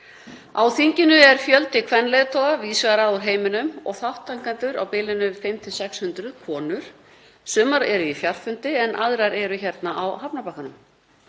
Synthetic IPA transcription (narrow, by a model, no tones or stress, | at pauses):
awθiɲcɪnʏɛɾ̥fjœlt̪ɪkʰvɛnːlejðt̪ʰɔɣaviːsvaɣɾauɾɦeːjmɪnʏmɔ̰ɣθawht̪aŋkant̪ʏɾawpɪlɪnʏfɪmt̪ʰɪsɛkshʏnt̪ɾʏðkʰvɔːnʏɾ̥ | sʏːmaɾɛɾʏifjar̥fʏnt̪ɪɛnʔa̰ðɾaɾɛɾʏçɛɾt̪naʔawɦapnapahkanʏm